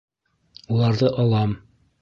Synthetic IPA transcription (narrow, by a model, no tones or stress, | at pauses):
ulˠɑɾðɤʔɒlˠɑm